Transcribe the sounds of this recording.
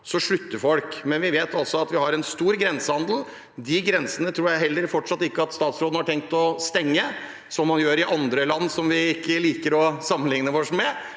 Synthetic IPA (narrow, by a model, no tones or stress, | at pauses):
sɔʂɭʉt̪ːəɾfɔlkmɛnʋɪʋeːt̪ɑlsɔɑt̪ʋɪhɑɾɛnst̪uːɾɡɾɛnsəhɑnd̪l̩ | d̪ɪɡɾɛnsənət̪ʰɾuːɾjæɪɦɛlːəɾfɔʈʂɑt̪ːɪkːəɑt̪st̪ɑːt̪sɾoːd̪nəhɑʈʰɛŋk̚t̪ɔst̪ɛŋːə | sɔmːɑnjøːɾɪʔɑnd̪ɾəlɑnːsɔmʋɪɪkːəliːkəɾɔsɑmːənlɪŋnəʋɔʂmɛ